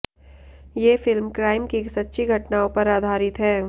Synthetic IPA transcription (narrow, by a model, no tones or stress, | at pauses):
jeːfɪlmkɾaːɪmkisɐtːʃʰiɡʱɐʈnaːõpɐɾaːd̪ʱaːɾɪt̪ɦɛː